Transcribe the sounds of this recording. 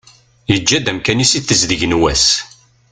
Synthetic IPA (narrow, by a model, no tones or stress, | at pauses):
jəd͡ʒːæd̪æmkænisiθəzðəʝnwæs